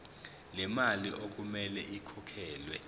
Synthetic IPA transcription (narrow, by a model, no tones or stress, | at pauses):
lɛmaliʔok̬umɛlɛʔikʰɔkʰɛːlwɛ̰